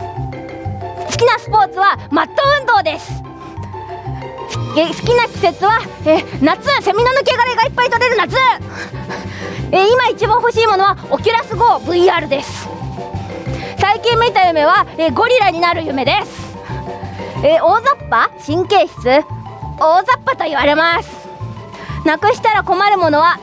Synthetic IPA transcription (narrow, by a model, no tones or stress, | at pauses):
sɨ̥kʲinasɨ̥po̞ːt͡sɨβamat̪ːoɯ̟̃nd̪o̞ːd̪e̞sɨ̥ | sɨ̥kʲinakʲi̥se̞t͡sɨβaeːnat͡sɨse̞mʲinanɯ̟ke̞ɡaɾaiɡaipːait̪o̞ɾe̞ɾɯ̟nat͡sɨ | eimait͡ɕibãɰ̃ho̞ɕiːmo̞no̞β̞aokʲiɾasɨɡo̞ːbɯ̟iaːɾɯ̟d̪e̞sɨ̥ | saikʲĩmːit̪ajɯ̟me̞βaeːɡo̞ɾʲiɾaɲ̟inaɾɯ̟jɯ̟me̞d̪e̞sɨ̥ | eːo̞ːzapːaɕĩŋke̞ːɕi̥t͡sɨ | oːzapːat̪o̞iβaɾe̞masɨ̥ | nakɯ̟ɕi̥t̪aɾako̞maɾɯ̟mo̞no̞βa